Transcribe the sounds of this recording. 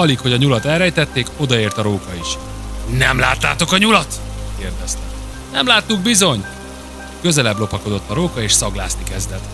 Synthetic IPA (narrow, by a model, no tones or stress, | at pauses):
ɒlikho̞ɟɒɲulɒt̪ɛlrɛjt̪ɛt̪ːeːko̞d̪ɒeːrt̪ɒɾoːkɒiʃ | nɛmla̰ːt̪ːa̰ːt̪o̞kɒɲulɒt̪keːrd̪ɛst̪ɛ | nɛmlaːt̪ːuɡ̚bizo̞ɲ | kø̞zɛlɛblo̞pɒko̞d̪o̞t̪ːɒɾoːkɒeːʃsɒɡla̰ːsnikɛzd̪ɛt̪